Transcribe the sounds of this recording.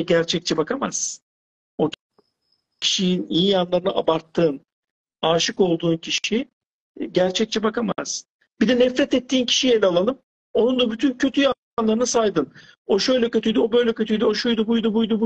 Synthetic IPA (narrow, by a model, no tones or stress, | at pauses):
ɟæɾt͡ʃʰɛc̚t͡ʃʰɛbakʰamaz̥ | o | cʰi̥ʃijinijijanlˠaɾɯnaʔabaɾt̪ʰːɯːn | aːʃɯko̞lˠd̪uːncʰiʃi | ɟæɾt͡ʃʰɛc̚t͡ʃʰɛbakamaz̥ | bid̪ɛnɛfɾɛt̪ɛt̪ʰːiːncʰi̥ʃijɛlʲalˠalˠɯm | o̞nund̪abyt̪ʰyncʰø̞t̪ʰyja | nlˠaɾɯnasajd̪ɯn | o̞ʃø̞jlʲɛcø̞t̪ʰyjd̪io̞bø̞jlʲɛcʰø̞t̪ʰyjd̪yo̞ʃujd̪ubujd̪ubujd̪ubu